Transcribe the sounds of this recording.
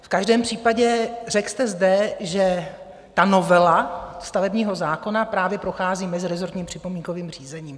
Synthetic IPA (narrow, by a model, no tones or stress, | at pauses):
fkaʒdɛːmpr̝̥iːpaɟɛr̝ɛkst̪ɛzdɛʒɛ | t̪ano̞vɛlast̪avɛbɲiːɦo̞zaːko̞napɾaːvjɛpɾo̞xaːziːmɛzɪɾɛzoɾt̪ɲiːmpr̝̥ɪpo̞miːŋkoviːmr̝̥iːzɛɲiːm